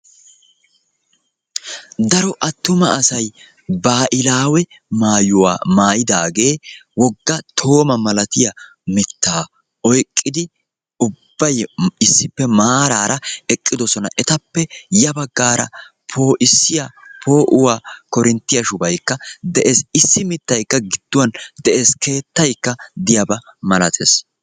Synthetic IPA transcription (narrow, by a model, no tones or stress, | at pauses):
d̪ɐɾɔʔɐt̪ːʊmɐːsɐj | baːʔɪlaːwɛ | maːjʊwa̰ːmaːjɪd̪aːɡe̞ːwɔɡːɐt̪ʰo̞ːmɐmɐlɐt̪ɪjɐ | mɛt̪ːaː | ɔjkʼːɪd̪ɪ | ʊbːɐjɪsːɪpːɛmaːɾaːɾʔɐɛkʼːɪd̪ɔsɔnɐʔɛt̪ɐpːɛjɐbɐɡːaːɾɐ̰ | pʰo̞ːʔɪsːɪjapʰo̞ːʔʊwaːkɔɾɪnt̪ːɪjɐʃʊbɐjkːɐd̪ɛʔe̞ːsɪsːɪmɪt̪ːɐjkːɐɡɪd̪̥ːʊwɐnd̪ɛʔe̞ːske̞ːt̪ːɐjkːɐd̪ɪjɐbɐmɐlɐt̪ʰḛːs